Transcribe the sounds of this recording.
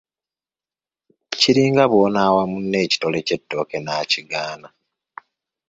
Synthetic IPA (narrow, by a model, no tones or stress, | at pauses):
ciɾiːŋɡaβo̞ːnaːwamunːe̞ːci̥to̞le̞ce̞tːo̞ːke̞naːciɡaːna